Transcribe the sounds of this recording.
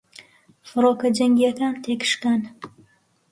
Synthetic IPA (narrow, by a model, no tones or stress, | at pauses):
fɨɾoːkɐd͡ʒɐŋɡijɐkaːnt̪ʰekʰʃkan